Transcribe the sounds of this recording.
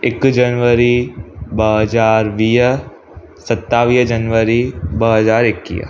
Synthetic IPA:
ɪkd͡ʒənʋəɾibəɦəzaːɾʋiː | sɐt̪ːaːʋiːd͡ʒɐnʋəɾibəɦəzaːɾɪkːḭː

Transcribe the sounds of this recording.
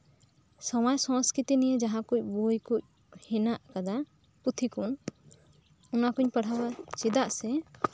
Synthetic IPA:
sɔmajsɔ̃skɾit̪inijed͡ʒaɦãkuc̚ˀbojkuc̚ | hɛnaʔkad̪a | put̪ʰikun | ɔnakuɲpəɽ̤abat͡ʃid̪aʔsɛ

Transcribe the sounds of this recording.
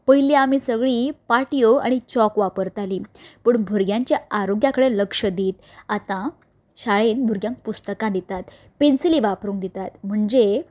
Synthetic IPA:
pəɦiliamiːsəɡɭiːpaʈijoa̰ɽ̃it͡ɕɔkʋapəɾt̪alipəɳbʱuɾɡjãɲt͡ɕjaaɾoɡjakəɽeləkʂəd̪iːt̪ | at̪ã | ɕaɭenbʱuɾɡjãŋk̚pust̪əkãd̪it̪at̪ | pensiliʋapɾũːŋkd̪it̪at̪m̤əɳd͡ʑe

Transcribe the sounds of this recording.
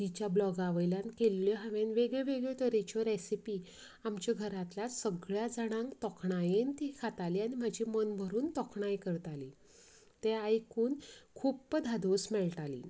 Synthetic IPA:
t̪it͡ɕjablɔɡaʋəjlãnkelːjɔɦaʋenʋeɡɭeʋeɡɭet̪əɾet͡ɕɔɾesipi | amt͡ɕaɡʱəɾat̪lasəɡɭjad͡zaɽ̃ãŋkt̪ɔkʰɳajent̪ikʰat̪aliːaɽ̃im̤ad͡ʑʱimənbʱəɾuːnt̪ɔkʰɳajkəɾt̪ali | t̪eajkuːnkʰuːppəd̪ʱad̪ʱosmɛɭʈalḭː

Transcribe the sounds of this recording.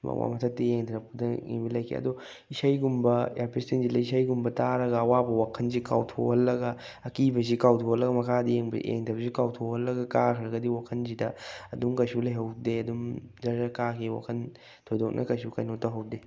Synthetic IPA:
mɐ̰kmʔa̰mɐtʰɐtːieŋdɐɾɐp̚kudɐḭŋbilɐjkʰḛɐ̰do | isɐjɡumbɐjaɾpistinzilɐisɐjɡumbɐtaɾɐɡɐːwabɐwakʰɐnzika̰wtʰohɐlːɐɡɐ | ɐkibɐzikawtʰohɐlːɐɡɐmɐkʰadieŋb̰ḛŋdɐbɐzikawtʰohɐlːɐɡɐkakʰɐɾɐɡɐdiwakʰɐnzidɐɐduŋkɐjsulɐjɦɐwdeɐdumzɐzakakʰiwa̰kʰɐn | tʰojdoknʔɐ̰kɐjsukɐjnotɐɦɐw̚de

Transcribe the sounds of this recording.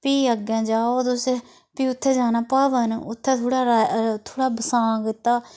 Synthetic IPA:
piːəɡjãːd͡ʒaːod̪ʊse | piːʊt̪ʰːeːd͡ʒaːnaːpaːʋənʊt̪ʰːeːt̪ʰoːɽaːɾat̪ʰoːɽaːbəsãːɡɪt̪aː

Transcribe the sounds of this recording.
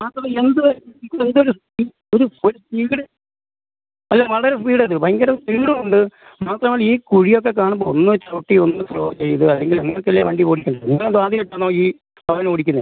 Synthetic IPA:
maːt̪rɐme̞nd̪ɨikːend̪o̞ɾuspiː | oɾuo̞ɾuspiːɽɨ | ɐlːamɐɭɐoɾus̬piːɽɨɐðɨbɐŋɡɐɾɐspiːɽumuɳɖɨ | maːt̪rɐmaɭiːkuɻijo̞k̬ːe̞k̬aːɳumbo̞onːɨt͡ɕoːʈːionːɨsroːt͡ɕe̞jːɐðɨɐlːe̞ŋɡileŋːɐɭkːelːaːʋeːɳɖipoːɽikʲːuɳɖɐðniŋːɐɭðɨaːðiɐʈːanːoːiː | pɐʋɐnoːɽikʲːunːɐð

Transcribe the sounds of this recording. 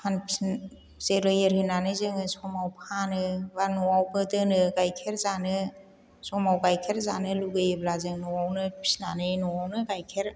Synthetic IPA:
pʰanpʰis | zeɾɯjɯɾhinanɯzɯŋɯsɔmawpʰanɯbanɔwawbɯdɯnɯɡajkʰeɾzanɯ | sɔmawɡajkʰeɾzanɯluɡɯjɯblazɯŋnɔwawnɯpʰi̥snanɯnɔwawnɯɡajkʰeɾ

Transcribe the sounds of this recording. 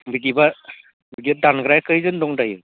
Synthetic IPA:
bidiba | biɡidanɡɾajkɯjzɯndɔŋdajɯ

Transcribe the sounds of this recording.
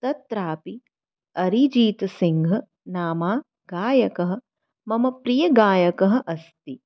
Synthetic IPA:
t̪ɐt̪ɾaːpi | ɐɾid͡ʒiːt̪ɐsiŋɡʱɐ | naːmaː | ɡaːjɐkɐɦɐ̆ | mɐmɐpɾijɐɡaːjɐkɐɦɐ̆ʔɐst̪i

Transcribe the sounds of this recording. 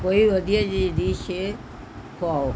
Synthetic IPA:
koiʋɐd̪ʱijad͡ʒid̪iːʃe | kʰoao

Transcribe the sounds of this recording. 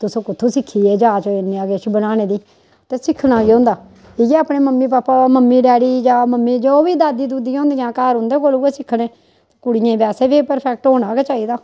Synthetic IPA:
t̪ʊsõːkʊt̪ʰõːsɪkʰːiːeːd͡ʒaːt͡ʃəɪnĩːaːɡeːt͡ʃbənaːnẽːd̪iː | t̪eːsɪkʰnãːɡiːõːnd̪aː | ɪɡeaːpɽẽːməmːiːpaːpaːməmːiːɖɛːɽiːd͡ʒaːməmːiːd͡ʒoːʋiːd̪aːd̪iːd̪uːd̪ijãːnd̪ijãːkaːɾõnd̪eːkoːluːkeːsɪkʰːɽẽː | t̪eːkʊɽɪjẽːbɛːseːbiːpəɾpʰɛk̚ʈɦoːɽ̃aːɡeːt͡ʃaːiːd̪aː

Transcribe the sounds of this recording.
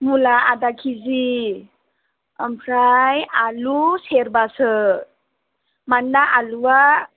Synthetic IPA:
mulaad̪akʰizi | əmpʰɾajaluseɾbasə | mandaʔaluwa

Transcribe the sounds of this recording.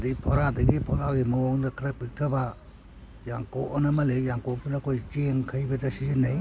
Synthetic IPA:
dipʰɔɾadɐɡipʰɔɾaɡimɐoŋdɐkʰɾɐpik̚tʰɐba | jaŋkoʔɔnɐmɐlejaŋkɔk̚dunɐkʰojt͡ʃeŋkʰɐjbɐtɐsizinːɐj

